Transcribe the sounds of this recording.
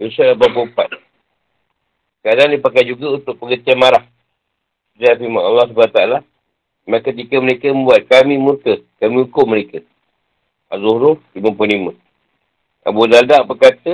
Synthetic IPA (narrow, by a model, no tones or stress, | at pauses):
isalababopat̪̚ | kəadandipakajd͡ʒuɡaunt̪ʊk̚pəɡət͡ʃianmaɾah | sutajafimanalːahsubant̪aala | makət̪̬ikəməɾekəmə̃mbuat̪̚kamĩmurkəkamĩukʊməɾekə | ʔa̰zohɾʊlimə̃punlimə̃ | ʔa̰budaldaʔbərkat̪ə